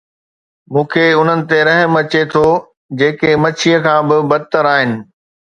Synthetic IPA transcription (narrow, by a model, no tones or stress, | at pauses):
mũːkʰeʊn̤ənɪ̆t̪eɾɐɦə̃mɐt͡ɕet̪ʰo | d͡ʑeːkemɐt͡ɕʰijəkʰãːbɪbɐd̪̚t̪əɾaːɦɪnɪ̆